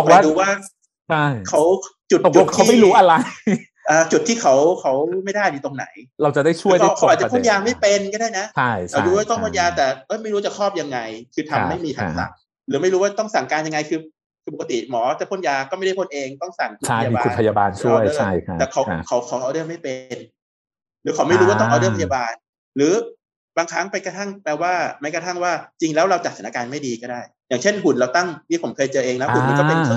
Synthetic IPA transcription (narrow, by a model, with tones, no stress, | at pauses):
ɔ˨˩m˥a˥˩dɾuː˦˥waː˥˩ | a˥˩kʰa˦˥wt͡ɕu˨˩t̪̚t͡ɕu˨˧˩t̪ʰːma˥˩ɾuː˦˥ʔa˧ɾa˧j | ʔaː˧t͡ɕu˨˩t̪ʰːiː˥˩kʰa˦˥wkʰa˦˥wma˥˩jda˥˩jdiː˧t̪o˧ŋna̰˩˦jɾa˧wt͡ɕa˨˩da˥˩jt͡ɕʰu˥˩˧əjkʰa˥˦˩ka˦˩wa˨˩t͡ɕa˩˨pʰnjaː˧ma˥˩jpe˧nkɔː˥˩daː˥˩jna˦˥t͡ɕʰa˥˩ja˧˩˧duː˧˦waː˥˩t̪ɔ˥˩kʰo˥˩njaː˧t̪ɛː˨˩ʔɤ˦˥˩jma˥˩jɾu˦˥a˥˩t͡ɕa˨˩kʰɔː˥˩p̚ja˧ŋːa˧jkʰɯː˧t̪ʰa˧mːa˥˩jmiː˧t̪ʰa˧˩sa̰˨˩˦ʔ̚ | ɾɯː˩˦ma˥˩jɾuː˦˥waː˥˩t̪ɔ˥˩ŋsa˨˩ŋkaː˧nja˧ŋa˧jkʰɯː˧ | kʰɯː˧p̬o˨˩kːa˧t̪ḭ˨˩mɔː˩˦t͡ɕa˨˩pʰo˧˥˩njaː˧kɔː˥˩ma˥˩jda˥˩kʰnʔeː˧ŋt̪ɔ˥˩ŋsa˨˩ŋkʰu˧t͡ɕʰa˦˥˧a˧bau˧pʰa˧ja˧baː˧nt͡ɕʰu˥˨˩əjt͡ɕʰa˥˩j̪ʰɛː˨˩kʰa˨˦wkʰa˩˦wkʰa˨˩˦wʔa˧dɤː˥˩ma˥˩jpe˧n | ɾɯː˨˦kʰa˨˩˦wma˥˩jɾuː˦˥waː˥˩t̪ɔ˥˧ʔdaɤ˥˩pʰa˧jaː˧baː˧n | ɾɯː˩˦ | baː˧ŋkʰɾa˦˥ŋpe˧nka˧t̪ʰa˥˩ŋpɛː˧˩waː˥˩ma˦˥jkʰt̪ʰa˥˩ŋwaː˥˩t͡ɕi˧ŋlɛː˦˥wɾa˧wt͡ɕa˨˩sʰa˨˦n˦a˧kaː˧nma˥˩jdiː˧kɔː˥˩daː˥˩jjaː˨˩ŋt͡ɕʰe˥˩nɦu˨˩nɾa˧wt̪a˥˩ŋt̪ʰiː˥˩pʰo˩˦mkʰɤː˧jt͡ɕɤː˧ʔeː˧ŋna˦˥hu˨˩nma˧kɔː˥˦pe˧nɤ˧˩